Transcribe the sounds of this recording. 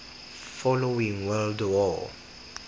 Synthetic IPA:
fɔloĩŋwɜldɔ̰

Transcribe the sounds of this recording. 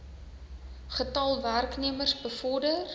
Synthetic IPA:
χətɑlˠværkniəmərsbəfɔrdər

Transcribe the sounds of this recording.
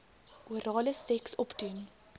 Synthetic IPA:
ʔuəɾɑːləsɛksɔpdun

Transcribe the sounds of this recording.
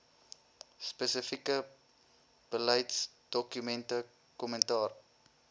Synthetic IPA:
spəsəfikə | b̥əlɐjts | d̥ɔkymɛntə | kɔməntɑːr

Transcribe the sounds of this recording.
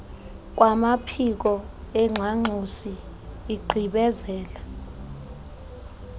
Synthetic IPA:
k̬ʼwamapʰik̬ɔ | ɛŋ͡ǁʱaŋ͡ǀʱusiː | ɡ͡ǀʱiɓɛzɛːla

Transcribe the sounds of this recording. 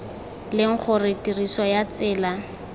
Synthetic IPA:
lɪŋ̩k͡xʰʊrɪtirisɔjat͡sɪːla

